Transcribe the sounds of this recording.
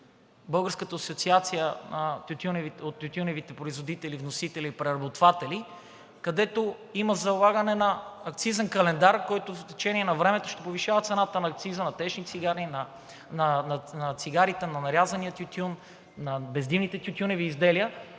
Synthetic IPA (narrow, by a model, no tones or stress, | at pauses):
bɤlˠɡəɾskət̪əːsot̪siat̪sijənɐt̪jut̪ʲunɛviot̪ːjut̪ʲunɛvit̪ɛpɾoizvod̪it̪ɛlivnosit̪ɛliːpɾɛɾɐbot̪vat̪ɛli | kɐd̪ɛt̪o | imɐzɐlˠaɡɐnɛnɐːk̚t̪sizɐnkɐlɛnd̪aɾkɔjt̪oft̪ɛt͡ʃɛniɛnɐvɾɛmɛt̪oʃt̪ɛpoviʃavət̪sɛnat̪ənɐːk̚t̪sizənɐt̪ɛʃnit̪siɡaɾin | nɐnnɐt̪siɡaɾit̪ɛnɐnɐɾʲjazɐniət̪ʲjut̪ʲjunː | ɐbɛzd̪ivnit̪ɛt̪ʲut̪ʲjunɛviːzd̪ɛlijə